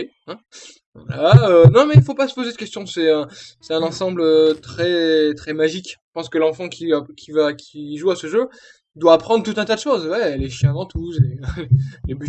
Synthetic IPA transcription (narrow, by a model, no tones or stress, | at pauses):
e | ɛ̃ | va̰l̰aønɔ̃mɛilfopasə̥pozed̪ə̥kʲɛst̪jɔ̃sɛɛ̃sɛt̪ɛ̃nɑ̃sɑ̃bløt̪χɛt̪χɛmaʒikʒə̥pɑ̃skəlɑ̃fɑ̃kʲiakʲʰivakʲʰiʒuasəʒø | d̪waːpχɑ̃d̪ʁət̪ut̪ɛ̃t̪ad̪əʃoːzwɛɛlɛʃjɛ̃d̪ɑ̃t̪use | leby